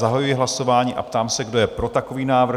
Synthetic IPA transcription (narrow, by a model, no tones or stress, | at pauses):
zaɦajujɪɦlaso̞vaːɲiːʔa̰pt̪aːmsɛɡdo̞jɛpɾo̞t̪ako̞viːnaːvr